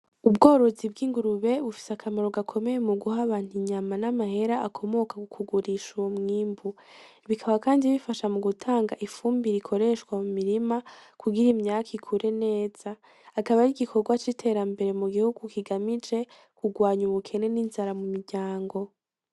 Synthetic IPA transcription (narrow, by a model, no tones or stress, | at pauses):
ubɡo̞ːɾo̞zib̚ɡiːŋɡuɾuβe̞βufi̥seakʰamaɾo̞ɡakʰo̞me̞jemuɡuhaβaːn̥huɲamanamahe̞ɾaʔakʰo̞mo̞kakukʰuɡuɾiʃuomŋiːmbu | βikʰaβakaːndiβifaʃamuɡutʰaːŋɡaʔifuːmbiɾikʰo̞ɾe̞ʃkwamumiɾimakʰuɡiɾimɲaːkʰikʰuɾʔe̞ne̞ːz̥aː | kaβaɾiɡikʰo̞ɡwat͡ʃitʰe̞ɾambe̞ɾe̞muɡihuɡukiɡamid͡ʒe̞ | kuɡwaːɲuβukʰe̞ne̞ninzaɾamumiɾɟaːŋɡo̞